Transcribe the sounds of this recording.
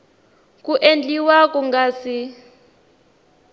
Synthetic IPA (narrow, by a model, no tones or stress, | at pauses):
kuʔend͡ɮʼiwak̬ʼɔŋɡaːsi